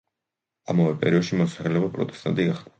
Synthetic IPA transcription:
amavɛpʼɛ̰ɾiɔd̪ʃimɔsaχɛlɛbapʼɾɔ̰t̪ʼɛ̥st̪ʼa̰nt̪ʼiɡaχd̪

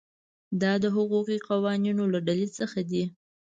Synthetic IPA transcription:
d̪ɑd̪əɦʊɣuqiqawɑninolaɖalit͡səxad̪i

